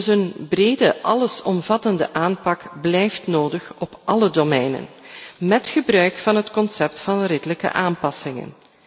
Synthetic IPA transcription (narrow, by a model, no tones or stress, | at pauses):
dsənbreːdəʔɑləsɔmvɑtəndəʔaːnpɑkblɛjftnoːdəxɔpʔɑlədomɛjnə̰nmɛtχəbrœɥkfɑnɦətkɔnsɛp̚tfɑnrɪdələkə̰ʔaːmpɑsɪŋə̰n